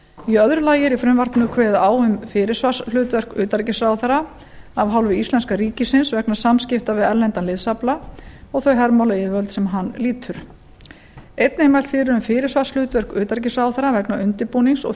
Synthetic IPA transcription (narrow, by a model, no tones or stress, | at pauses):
iœðɾʏlaːjɪɾifɾʏmvarknʏkʰvɛːðaːwʏmfɪːɾɪ̥svasl̥ʏːt̪vɛr̥kʏːt̪aɾcɪsrawθɛɾa | avɦawlvɪist̪lɛnskaɾiːcɪsɪnsvɛknasamscɪft̪avɪðɛɾlɛnt̪anlɪðsaplaɔɣθœɥɦɛɾmawlaivœlt̪sɛmɦanːliːt̪ʰʏɾ | ejt̪nemajl̥t̪fɪːɾʏɾʏmfɪːɾɪɾ̥svḁsl̥ʏːt̪vɛr̥kʏːt̪aɾc̬ɪsrawθɛɾavɛknaʔʏnt̪ɪpuːniŋsɔ̰ɣ